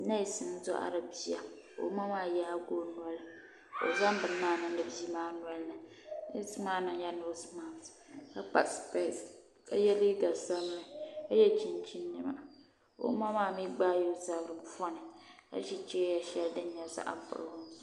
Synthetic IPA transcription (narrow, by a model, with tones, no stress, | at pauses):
na˦i˨sɨ˨n˦zo˦ʔa̰˨ɾɨ˨bi˦a̰˨ | o̰˨˦ma˦maː˦˨jɛ˦a˦ɡo˦nu˦ɔ˦l | o̰˨za˦m˦bɨ˨ɨ˨˦naː˦˨nɨ˦dɨ˨bzi˦maː˦n˦ɔ˦lna˨ | na˦sɨ˦maː˦nɨ˦ŋja˦no˦sma˨m˨ska˦k͡pa̰˨spa˦˨s | ka˦jɛ˦li˦ɡa˨sa˦m˦lɨ˨a˦jɛ˦t͡ʃi˦nt͡ʃi˦nːɨ˨ma̰˨ | o̰˨˦ma˦maː˦˨mi˦ɡ͡baː˦jo˨˦za˦bɾɨ˨m̩˦fɔ˦nɨ˨ka̰˦ʃi˦t͡ʃɛ˦ja˨ʃɛ˦ldɨ˦ɲ˦ɛ˨˦sa̰˦ʔa̰˦m˦pʊ̰˨ɾhʊ˦n˨˦